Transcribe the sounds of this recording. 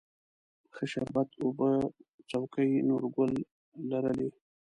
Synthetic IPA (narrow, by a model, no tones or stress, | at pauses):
xəʃaɾbat̪obət͡sawkəjnoɾɡʊlː | aɾəle